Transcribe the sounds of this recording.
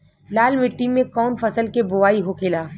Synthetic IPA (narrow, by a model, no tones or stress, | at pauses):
laːlmɪʈːimːẽkɔːnfɐsəlkebʊʋaːiɦokʰeːlaː